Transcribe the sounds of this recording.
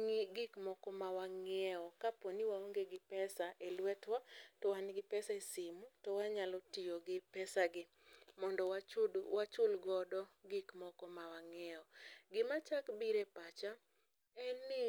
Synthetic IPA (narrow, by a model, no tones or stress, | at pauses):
ŋiɡɪkmɔkɔmawaŋɛɔkaponiwaoŋɡeɡɪpɛsaʔelwɛtwatɔwanɡɪpɛsaesɪmutɔwaɲalɔtɪjoɡɪpɛsaɡɪ | mɔndɔawat͡ʃʊlɡɔdɔɡɪkmɔkɔmawaŋɛɔɡɪmat͡ʃakbiɾepat͡ʃa | ɛnːɪ